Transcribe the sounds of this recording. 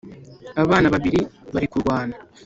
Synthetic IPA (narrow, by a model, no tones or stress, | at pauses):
aβaːnaβaβiɾiβaɾikuɾɡwaːna